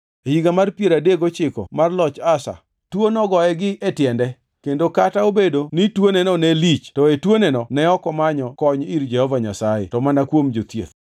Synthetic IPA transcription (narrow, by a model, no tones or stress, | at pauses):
hiɡamarpjeɾadeɡot͡ʃɪkɔ̰marlɔt͡ʃasa̰ | twonɔɡɔɛɡɪʔetjɛndɛ | kendokataobedonitwonenɔnɛlit͡ʃtɔetwonenɔnɛɔkɔmaɲɔkɔɲiɾd͡ʒɛhɔvaɲasajḛtɔmanakwomd͡ʒot̪jḛt̪